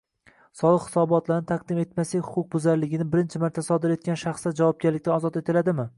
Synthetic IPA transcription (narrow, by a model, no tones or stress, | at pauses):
sɒlˠɨqhɪ̥sɒbɒt̪laɾnɪt̪ʰaq̚d̪ɪme̞t̪maslɪhʊ̥qʰʊq̚bʊzaɾlɪɡʲɪnɪbɪɾɪnt͡ʃʰɪmaɾt̪ʰasɒd̪ɪɾe̞t̪̚kʲanʃaχsd̪ad͡ʒavɒb̚ɡʲaɾlɪkʲt̪anɒzɒt̪e̞t̪ʰɪlad̪ɪmɪ